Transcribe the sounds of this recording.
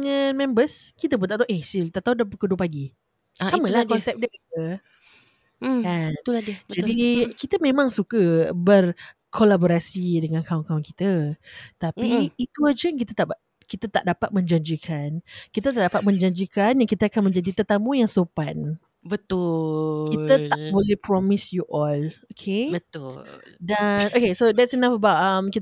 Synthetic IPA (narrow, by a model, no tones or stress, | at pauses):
dŋanmɛ̃mbəskit̪əbuət̪aʔt̪oʔesilt̪aʔt̪audapəkuduəpaɡi | samə̃lahkɔnsɛp̚diakit̪ə | kanud͡ʒadikit̪əmẽmãŋsukəbər | kʰolaboɾasidəŋankaʊnkaʊnkit̪ət̪apiːt̪uad͡ʒəŋk̬it̪ət̪aʔ | kit̪ət̪a̰ʔdapat̪̚mə̃ɲd͡ʒaɲd͡ʒikʰankit̪ət̪aʔdapat̪̚mə̃ɲd͡ʒaɲd͡ʒikanjaŋkit̪əakanmə̃ɲd͡ʒadit̪ət̪amũjaŋsopan | bət̪ukik̪ət̪aʔʔbolehpɾɔmisjuʔɔlokʰebət̪uldanokesod̪ɛtsinafəbawt̚amkit̪